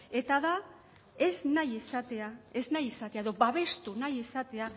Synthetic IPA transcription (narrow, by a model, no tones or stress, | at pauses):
e̞t̪aða | e̞znajisat̪eae̞znajisat̪eaeðo̞baβe̞st̪unajisat̪e̞a